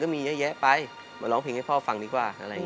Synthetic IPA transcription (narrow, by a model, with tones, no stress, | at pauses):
kɔː˥˩miː˧jɛ˦˥jɛ˦˥ʔpa˧j | ma˧˩lɔː˩˦ŋpʰi˨˧˦ŋha˥˩pʰɔː˥˩fa˧ŋdiː˧kwaː˧˩ʔa̰˧ɾa˧j